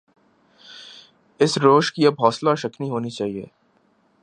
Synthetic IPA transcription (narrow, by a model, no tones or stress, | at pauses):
ɪsɾoːʃkiɐbɦɔːslaʃɐkniɦoːnit͡ʃaːɦiḛː